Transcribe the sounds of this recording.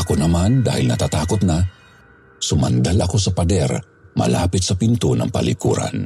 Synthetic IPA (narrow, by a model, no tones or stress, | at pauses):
ɐkonɐmand̪a̰ːhɪlnɐt̪at̪aːkot̪̚na | sʊmand̪alɐko̞sɐpɐd̪ɛɾ | mɐ̰la̰ːpɪt̪̚sɐpint̪onɐ̰ŋpɐ̰likṵːɾa̰n